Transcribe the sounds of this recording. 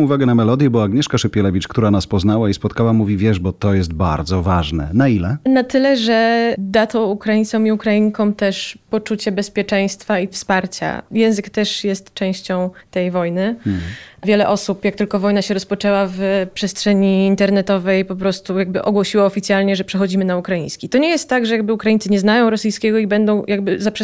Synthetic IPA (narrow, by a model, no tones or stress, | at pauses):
uvaɡɛnamɛlɔd̪ʲjɛbɔaːɡɲɛʂkaʂɛpʲjɛlɛvʲit͡ʂkt̪uɾanaspɔznawaispɔt̪kawamuvʲivʲjɛʐbɔt̪ɔjɛst̪̚ba̰ɾd̪zɔvaʐnɛ̰nailɛnat̪ɘlɛʐɛd̪at̪ɔwukɾajint̪sɔ̃miukɾaiɲkɔ̃mt̪ɛʂpɔt͡ʂut͡ɕɛbɛspʲjɛt͡ʂɛj̃st̪faifspaɾt͡ɕa̰jɛ̃w̃zɘkt̪ɛʂjɛst̪t͡ʂɛ̃w̃ɕt͡ɕɔ̃w̃t̪ɛjvɔjnɘ | vʲjɛlɛʔɔsupjakt̪ɘlkɔvɔjnaɕɛɾɔspɔt͡ʂɛwavpʂɛstʂɛɲiːnt̪ɛɾnɛt̪ɔvɛjpɔpɾɔst̪ujaɡbɘʔɔɡwɔɕiwaɔfʲit̪sʲjalɲɛʐɛpʂɛxɔd͡ʑimɘnaukɾajĩɲ̃skʲit̪ɔɲɛjɛst̪ːaɡʐɛjaɡbɘukɾajint̪sɘɲɛznajɔ̃w̃ɾɔsijskʲɛɡɔibɛnd̪ɔ̃w̃jʔaɡ̚bɘzapʂ